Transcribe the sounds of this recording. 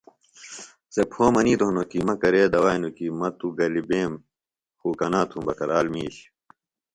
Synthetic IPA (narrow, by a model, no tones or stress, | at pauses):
sepʰoːmɐniːt̪oɦunokimɐkɐɾeːd̪ɐwaːjnukimɐt̪uɡɐlibeːm | xuːkɐnaːt̪ʰũːbɐkɐɾaːlmiːɕ